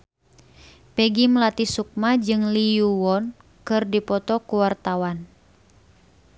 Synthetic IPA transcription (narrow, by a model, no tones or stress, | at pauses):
pɛɡimlat̪isuk̚mad͡ʒɨŋlijuwɔn | kɨrdipɔt̪ɔkuwart̪awan